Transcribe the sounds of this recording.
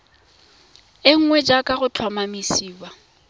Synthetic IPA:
ɪŋ̩ŋwɛd͡ʒakʼaɣʊt͡ɬʰwamamisiːwa

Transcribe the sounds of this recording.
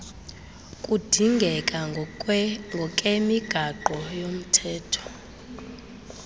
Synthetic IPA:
kʼud̥ʱiŋɡʱɛkʼa | ŋɡʱɔkʼemiɡ̥ʱaǃɔjom̩tʰɛːtʰɔ̥

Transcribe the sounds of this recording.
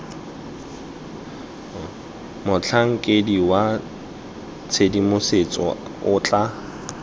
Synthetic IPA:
mʊt͡ɬʰaŋ̩kʼediwa | t͡sʰedimʊset͡sʼɔ̰ʊt͡ɬʼa

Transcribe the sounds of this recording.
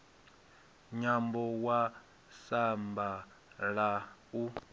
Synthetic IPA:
ɲambɔwa | samba | ɺau

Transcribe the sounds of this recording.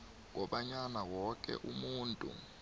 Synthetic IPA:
k̬ʼɔɓaɲanawɔk̬ʼɛ̰ʔumuːntʼṵ

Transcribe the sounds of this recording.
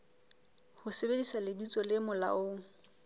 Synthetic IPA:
hʊsebedisalɪbit͡sʼɔlɪmʊla̰ʔʊ

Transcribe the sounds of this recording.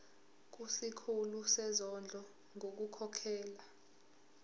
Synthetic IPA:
k̬usikʰulusɛzɔnd͡ɮʱɔ | ŋʱok̬ukʰɔkʰɛːla

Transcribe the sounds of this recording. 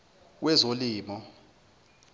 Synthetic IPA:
wɛzoliːmɔ

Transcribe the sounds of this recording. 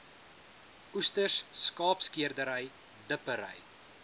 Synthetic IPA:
ustərsskɑːpskiərdəɾəj | dəpəɾə̰j

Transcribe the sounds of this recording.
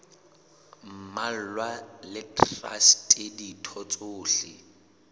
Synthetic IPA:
m̩mal̩lwalɪtʰʼra̰stʼeditʰɔt͡sʼoːɬɪ̰

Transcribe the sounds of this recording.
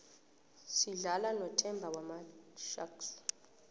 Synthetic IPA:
siɮalanɔtʼɛmbʱawamaʃa̰ks

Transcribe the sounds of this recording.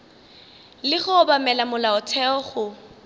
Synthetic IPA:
lɪχʊːbamɛlamʊlaʊtʰɛɔχʊ

